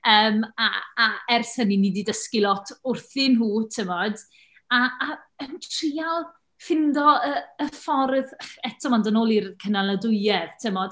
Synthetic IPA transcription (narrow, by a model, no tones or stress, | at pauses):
əːma̰ːɛrθhəniniːdidəskilˠɔtʰʊrθɪnɦuːtʰɪmɔd | aːəntʰriːalˠ | fɪndɔəəfɔrðχɛtʰɔmandənoːlˠirkʰənalədʊɨɛð̥tʰɪmɔd̥